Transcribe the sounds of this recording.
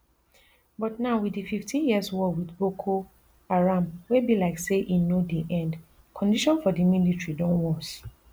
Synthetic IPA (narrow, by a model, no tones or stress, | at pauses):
bɔtnaʊwidififtʰĩnjiswɔwidbokʰo | aɹãmwebilaɪkseʔinodiʔɛ̃nd | kʰɔ̃ndiʃɔ̃nfɔdimilitɹidɔ̃nwɔ̃s